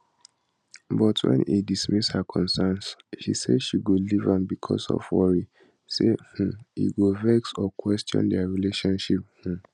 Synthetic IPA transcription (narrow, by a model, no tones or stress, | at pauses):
bɔtʰwɛ̰̃nḭdismishakʰɔ̃nsɛnsʃḭsḛdʃiɡolivãmbikʰɔsɔ̰fwɔɹi | seh̩ḭɡuvɛksɔkwɛstjɔ̰̃ndɛɹileʃɔ̃nʃip̚h̩